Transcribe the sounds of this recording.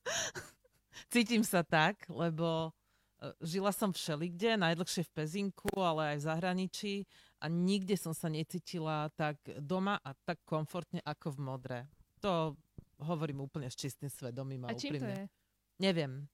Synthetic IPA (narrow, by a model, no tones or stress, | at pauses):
t͡siːcimsat̪aɡlɛbɔ | ʒilasɔmfʃɛliɡɟɛnajd̪l̩xʃɪɛfpɛziŋkʰualɛajvzaɦɾaɲit͡ʃiʔa̰ɲiɡɟɛsɔmsaɲɛt͡siːcilat̪aɡd̪ɔmaʔat̪akːɔɱfɔɾt̪ɲɛʔakɔvmɔd̪ɾɛt̪ɔɦɔʋɔɾiːmuːpl̩ɲɛst͡ʃist̪imsʋɛd̪ɔmiːmaupɾim | ɲɛʋɪɛm